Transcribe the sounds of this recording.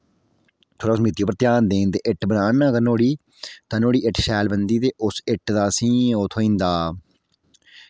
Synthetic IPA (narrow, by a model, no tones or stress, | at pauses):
t̪ʰoːɽaːʊsmɪt̪ːijoːpəɾt̪jaːnd̪eːnt̪eːʔɪʈbənaːnaɡəɾnoːɽiː | t̪aːnoːɽiːɪʈʃɛːlbənd̪iːt̪eːʔʊsɪʈd̪aːsĩːoːt̪ʰoːĩːnd̪aː